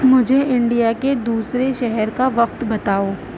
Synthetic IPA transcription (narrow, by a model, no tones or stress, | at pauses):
mʊd͡ʒʱeʔɪ̃ɳɖijaked̪uːsɾeʃɛɦɛɾkaʋɐq̚t̪bɐt̪aːoː